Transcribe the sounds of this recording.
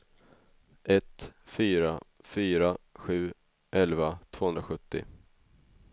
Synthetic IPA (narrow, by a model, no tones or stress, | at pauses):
ʔɛt̪fyːɾa | fyːɾaɧʉ̟ː | ʔɛlvat̪ʰv̥oːhɵnɾaɧɵt̪ːɪ̰